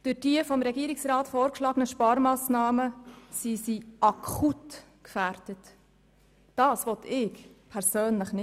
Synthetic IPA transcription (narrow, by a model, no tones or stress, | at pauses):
d̥ɵd̥iəfɔmɾɛɡiːəɾɪksɾɑːtfɔːɾkʃlɑːɡənəʃpɑːɾmɑːsnɑːməsisiʔɑkʰut | kfæɾdətː | ɑːsʋɔtʰɪːkpʰɛɾsøːnləχnɪ